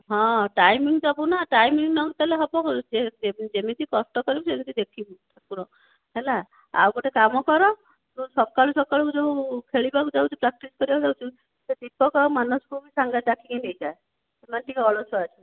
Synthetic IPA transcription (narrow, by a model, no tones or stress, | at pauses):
ɦɔ̃ʈajmiŋd͡ʒabunaʈajmiŋnɔŋt̪aleɦɔbɔkeed͡ʒemit̪ikɔsʈɔkɔɾibisemit̪id̪ekʰibt̪ʰapuɾɔ | ɦela | a̰wɡoʈekamɔkɔɾɔ | t̪ũsɔkaɭusɔkaɭɔkud͡ʒeũkʰeɭibakud͡ʒawt͡ʃʰipɾak̚ʈiskɔɾibakud͡ʒawt͡ʃʰi | sed̪ipɔkɔwmanuskubisaŋɡaɾɖakʰikenejd͡ʒae | semanʈikeɔɭɔsɔat͡ʃʰi